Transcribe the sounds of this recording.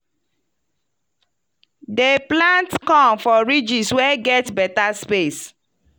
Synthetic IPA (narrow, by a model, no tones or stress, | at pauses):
deplãntkɔ̃mfɔɹid͡ʒiswɛɡɛtbɛtaspes